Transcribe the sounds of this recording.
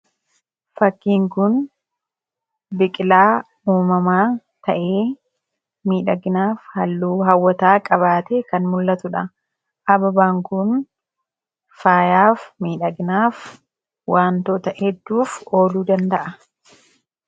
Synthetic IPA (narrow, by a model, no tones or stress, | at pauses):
fɐkːiːŋkʊn | bɪkʼɪlaː | uːmɐmaː | t̪ɐʔeː | miːᶑɐɡɪnaːfhɐlːuːɦɐwːɐt̪aːkʼɐβaːt̪ɛkɐnmʊlːɐt̪ʊᶑɐ | ʔɐbɐbaːŋkʊn | faːjaːfmiːᶑɐɡɪnaːf | waːnt̪oːt̪ɐʔɛd̪ːuːfo̞ːluːd̪ɐnd̪ɐʔɐ